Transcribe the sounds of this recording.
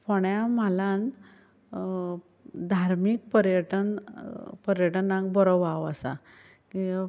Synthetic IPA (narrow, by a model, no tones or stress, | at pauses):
fɔɳjamalan | d̪ʱaɾmik̚pəɾjəʈən | pəɾjəʈənãŋkbɔɾɔʋaʋəsa̰ | ki